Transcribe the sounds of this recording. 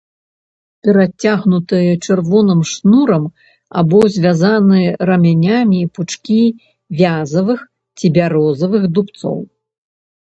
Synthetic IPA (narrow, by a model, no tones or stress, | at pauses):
pʲɛɾat͡sʲaɣnut̪ɨjɛt͡ʂɨrvɔnɨmʂnuɾɐm | a̰bɔzʲvʲazanɨjɛɾɐmʲanʲamʲiput͡ʂkʲi | vʲazɐvɨx | t͡sʲibʲaɾɔzɐvɨxd̪upt̪sɔ̰w